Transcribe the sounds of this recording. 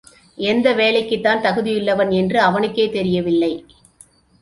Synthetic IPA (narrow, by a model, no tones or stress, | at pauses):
ʔɛnd̪ɐʋeːlɐɪkːɯt̪ːaːnt̪ɐɣɯðɪjɪlːɐʋɐnɛndrɯɐʋɐnɯkːeːt̪ɛɾɪjɐʋɪlːɐɪ